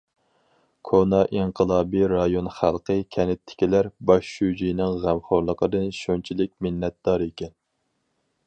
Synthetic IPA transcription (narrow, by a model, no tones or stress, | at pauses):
kʰonɑʔiɴqʰəlˠɑːbiɾɑjonχælˠqʰəkʲʰɛnɪt̪ʰːɪ̥kʲilæɾbɑʃːud͡ʒinɪŋʁæmχoɾlˠəqʰəd̪ɨnʃont͡ʃʰilɪk̚ʲmɪnːɛt̪̚d̪ɑɾekʲɛn